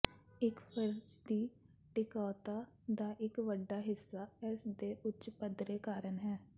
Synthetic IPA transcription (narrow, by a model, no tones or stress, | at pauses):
ɪkpʰəɾd͡ʒd̪iː | ʈɪkɔːt̪aː | d̪aːʔɪkʋəɖːaːɦɪsːaːɛsd̪eːʔʊtt͡ʃpəd̪ɾeːkaːɾənɦɛː